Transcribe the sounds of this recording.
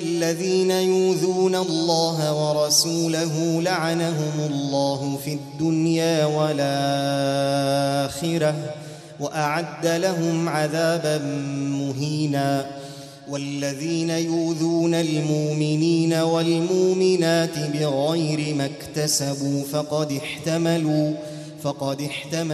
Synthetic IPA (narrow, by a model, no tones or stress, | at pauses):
ʔalːaðiːnajuːðuːnalːɑːɦawɑɾˤɑsuːlaɦʊlaʕanaɦʊmʊlːɑːɦʊfiad̪ːʊnjaːwalaː | xɪɾa | waʔaʕad̪ːalaɦʊmʕaðaːbanːʊɦiːnaː | walːaðiːnajuːðuːnalmʊʔmɪniːnawalmʊʔmɪnaːt̪ɪbɪɣajɾɪmakt̪asabuːfɑqɑd̪ɪħt̪amaluː | fɑqɑd̪ɪħt̪ama